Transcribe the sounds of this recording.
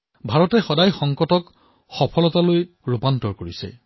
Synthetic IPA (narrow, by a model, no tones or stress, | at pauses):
bʱaɹɔtɛxɔdajxɔŋkɔtɔk | xɔpʰɔlɔtaloj | ɹupantɔɹkoɹisɛ̰